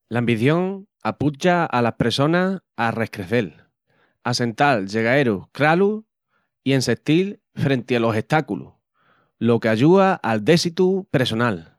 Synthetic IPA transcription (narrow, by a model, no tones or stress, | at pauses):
lambiθjo̞ŋ | aput͡ʃaalahpɾeso̞nahare̞hkɾe̞θe̞l | ase̞nt̪alʝe̞ɣ̞ae̞ɾukɾalu | ie̞nse̞kt̪il | fɾẽ̞nt̪ealo̞se̞ht̪akulṵ | lo̞keaʝuaʔald̪e̞sit̪upɾeso̞nal